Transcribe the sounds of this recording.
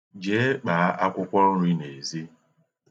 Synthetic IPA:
d͡ʒe˦k͡paː˨˦ʔa˦kʷʊ˦kʷɔ˦ɾ̩˦ɾi˦ne˨zi˦

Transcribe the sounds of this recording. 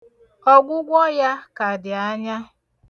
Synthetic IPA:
ɔ˦ɡʷʊ˦ɡʷɔ˦ja˦ka˨dɪ˨a˦ɲa˦

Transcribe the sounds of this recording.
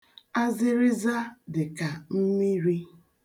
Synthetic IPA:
a˦zɪ˦ɾɪ˦za˦dɪ˨ka˨m̩˦mi˦ɾi˦

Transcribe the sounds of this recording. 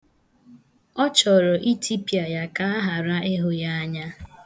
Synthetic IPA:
ɔ˦t͡ʃɔ˨ɾɔ˨ʔi˦ti˦pja˨ja˦ka˦a˦ɦa˨ɾa˦ʔe˦ɦʊ˦ja˦a˦ɲa˦

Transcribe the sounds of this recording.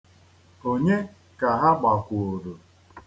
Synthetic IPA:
o˦ɲe˦ | ka˨ɦa˦ɡ͡ba˨kʷu˨o˨ɾo˨

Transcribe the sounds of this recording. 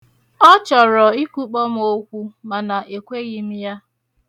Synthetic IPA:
ɔ˦t͡ʃɔ˨ɾɔ˨i˦kʷu˦k͡pɔ˦m̩˦o˦kʷu˦ma˨na˨ʔe˨kʷe˦ɣi˨mi˦ja˦

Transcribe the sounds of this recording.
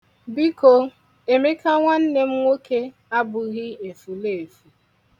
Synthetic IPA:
bi˦ko˨ | e˨me˦ka˦ŋʷa˦n̩˦ne˦m̩˦ŋʷo˦ke˦ | a˦bʊ˨ɣɪ˦e˨fu˨le˦˨e˨fu˨

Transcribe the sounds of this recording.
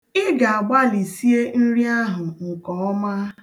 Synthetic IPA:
ɪ˦ɡa˨a˨ɡ͡ba˦li˨si˦e˦n̩˦ɾi˦a˦ɦʊ˨ŋ̩˨kɔ˨˦ɔ˦ma˦

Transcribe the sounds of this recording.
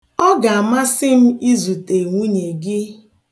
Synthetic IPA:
ɔ˦ɡa˨a˨ma˦sɪ˦m̩˦i˦zu˨te˨ŋʷu˦ɲe˨ɡɪ˦

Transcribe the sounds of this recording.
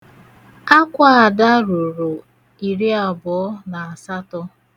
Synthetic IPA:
a˦kʷa˦a˨da˦ɾʊ˨ɾʊ˨ | i˨ɾi˦a˨bɔ˨ɔ˦na˨a˨sa˦tɔ˦

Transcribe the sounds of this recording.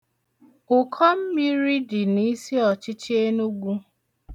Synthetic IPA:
ʊ˨kʰɔ˦m̩˦mi˦ɾi˦di˨ni˦si˦ɔ˨t͡ʃɪ˦t͡ʃe˦nu˦ɡʷu˦

